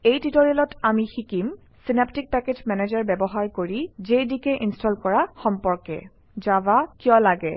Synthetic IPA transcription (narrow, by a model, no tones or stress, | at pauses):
ejtitoɹilɔtʰamixikim | sinaptik̚pɛked͡ʒmɛnezaɹbɛbɔɦaɹkoɹizejdikɛʔinstʰɔlkɔɹaxɔmpɔɹkɛ̰ | zabakijɔ̃laɡɛ̰